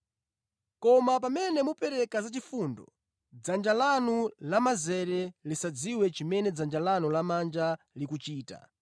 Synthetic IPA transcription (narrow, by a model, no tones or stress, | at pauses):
kɔmap̬amɛnɛmupɛɾɛkazat͡ʃifundɔ̰ | d͡zand͡ʒalanulamazɛɾɛlisad͡ziwɛt͡ʃimɛnɛd͡zand͡ʒalanulamand͡ʒa | likut͡ʃiːta̰